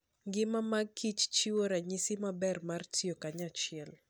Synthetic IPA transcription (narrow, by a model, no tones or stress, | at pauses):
ŋɡɪmamaɡ̚kʰit͡ʃt͡ʃiwoɾaɲisimabɛrmartʰiokaɲat͡ʃɪɛl